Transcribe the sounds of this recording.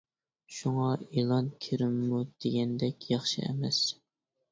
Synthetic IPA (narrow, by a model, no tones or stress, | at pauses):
ʃuŋɑelˠɑnkʲʰiɾɪmːud̪̥eɡʲɛnd̪ɛkʲjɑχʃɨ̰ɛ̰mɛs